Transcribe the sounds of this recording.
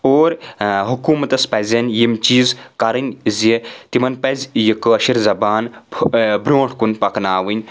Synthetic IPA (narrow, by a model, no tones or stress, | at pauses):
oːɾɦukuːmɐt̪ɐspɐzʲɐnʲjimt͡ʃiːzkɐɾɨnʲzit̪imɐnpɐzʲjikɨɐʃiɾzɐbaːn | bɾʲoːɳʈʰkunpɐknaːʋɨnʲ